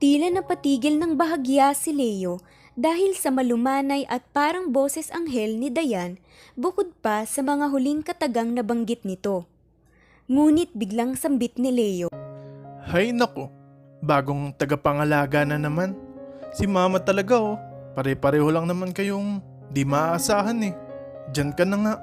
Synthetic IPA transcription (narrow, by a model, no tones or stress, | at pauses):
t̪iːlɐnɐpɐt̪iːɡɪlnɐŋbɐɦɐɡjasɪlɛjo̞ | d̪aːhɪlsɐmɐlʊmaːnɐjʔɐt̪̚paːɾɐŋbo̞ːsɛsɐŋɦɛlnɪd̪ɐjan | bʊkod̪̚pɐsɐmɐŋaɦʊliŋkɐt̪ɐɡaŋnɐbɐŋɡɪt̪̚nɪt̪o̞ | ŋuːnɪt̪̚bɪɡlaŋsɐmbɪt̪̚nɪlɛjo̞ | hajnɐko̞ | baːɡo̞ŋt̪ɐɡapɐŋɐlaːɡanɐnɐmansɪmaːmɐt̪ɐlɐɡaʔopɐɾɛpɐɾɛːho̞lɐŋnɐmankɐjoŋ | d̪imaʔaʔːsaːɦɐnɛ | d͡ʒankɐnɐŋaʔ